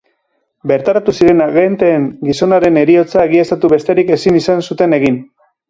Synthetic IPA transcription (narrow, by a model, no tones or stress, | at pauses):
be̞ɾt̪aɾat̪usiɾe̞naɣe̞nt̪eːŋɡiso̞naɾe̞ne̞ɾio̞t͡saeɣ̞iest̪at̪uβe̞st̪e̞ɾike̞sinisansut̪e̞ne̞ɣ̞in